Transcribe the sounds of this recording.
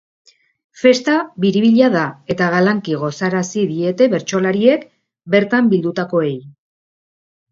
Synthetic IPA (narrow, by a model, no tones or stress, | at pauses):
fe̞st̪aβiɾiβiʎaðae̞t̪aɣalaŋkiɣ̞o̞saɾasiðie̞t̪e̞βe̞ɾt͡ʃo̞laɾie̞k | be̞ɾt̪ambild̪ut̪ako̞e̞j